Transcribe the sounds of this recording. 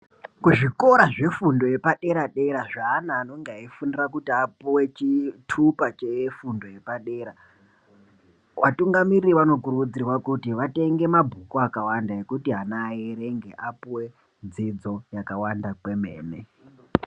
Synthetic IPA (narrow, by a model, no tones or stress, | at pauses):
kuʐiko̞ɾaʐe̞fundo̞je̞paɗe̞ɾaɗe̞ɾaʐaːnaːno̞ŋɡeɦaifunirak̬utiapuwe̞t͡ʃitʰupat͡ʃefundo̞je̞paɗe̞ːɾa | ʋatuŋɡamiriiʋano̞kurud͡zirwakutiʋate̞ŋɡe̞mabʱukoakawandaje̞kutiɦanajeɾe̞ŋɡe̞ʔapuwe̞ | d͡zid͡zo̞jakawandakwe̞me̞̰ːne